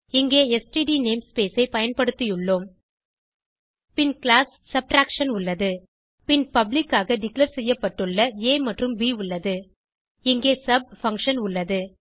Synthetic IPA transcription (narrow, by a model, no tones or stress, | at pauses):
ɪŋɡeːɛsʈiɖiːneːmspeːsɐɪpɐjɐnpɐɽɯt̪ːɪjɯɭːoːm | pɪnklaːsːɐb̚ʈɾaːkʂɐnʊɭːɐðɯ | pɪnpɐblɪkːaːɣɐɖɪklɐɾsɛjːɐpːɐʈːɯɭːɐeːmɐʈrɯmʋiːʊɭːɐðɯ | ɪŋɡeːsɐb̚fɐŋkʂɐnʊɭːɐðɯ